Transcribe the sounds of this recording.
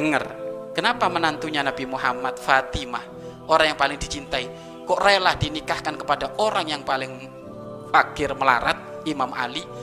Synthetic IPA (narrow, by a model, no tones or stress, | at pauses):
dəŋərkənapamənant̪uɲanabimuɦamat̪̚fat̪imah | ʔoɾaŋjaŋpalɪŋd̥i̤t͡ʃint̪ai | koʔrelahd̥inikahkankəpadaʔoɾaŋjaŋpalɪŋ | fakɪrməla̰ɾa̰t̪̚ | imamʔa̰li